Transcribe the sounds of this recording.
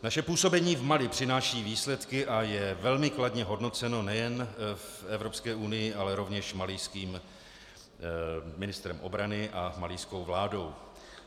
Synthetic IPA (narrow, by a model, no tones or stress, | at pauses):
naʃɛpuːso̞bɛɲiːvmalɪpr̥ɪnaːʃiːviːslɛt̪kɪʔajɛvɛlmɪkladɲɛɦo̞dno̞t͡sɛno̞nɛjɛnfɛvɾo̞pskɛːʔunɪjɪʔalɛɾo̞vɲɛʃmalɪjskiːm | mɪnɪst̪ɾɛmʔo̞̰bɾanɪʔamalɪjsko̞wvlaːdo̞w